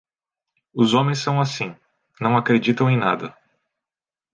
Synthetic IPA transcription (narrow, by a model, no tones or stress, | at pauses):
ʊzõmẽj̃sːɐ̃w̃asĩ | nɐ̃w̃akɾed͡ʒit̪ɐ̃w̃ẽj̃na̰d̪ɐ